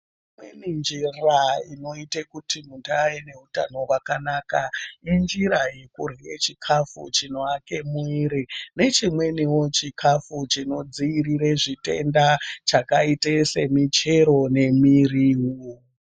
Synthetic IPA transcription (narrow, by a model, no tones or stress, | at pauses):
imwḛnind͡ʒiraino̞itekutimuntajene̞ɦuta̰no̞wakanaːkaind͡ʒiɾaje̞kuriet͡ʃikʰafṵt͡ʃino̞ake̞muiɾine̞t͡ʃimwe̞niwo̞t͡ʃikʰafut͡ʃino̞d͡ziːriɾe̞ʐite̞̰ndat͡ʃakaitese̞mit͡ʃe̞ɾo̞ne̞miriɦu